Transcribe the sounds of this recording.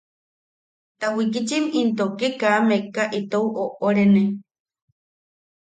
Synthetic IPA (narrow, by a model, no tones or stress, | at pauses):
t̪ahwikit͡ʃimint̪okekaːmekaʔit̪owʔoʔoɾene